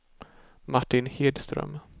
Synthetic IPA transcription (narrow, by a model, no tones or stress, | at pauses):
maʈːɪnheːd̪st̪ɾœ̰m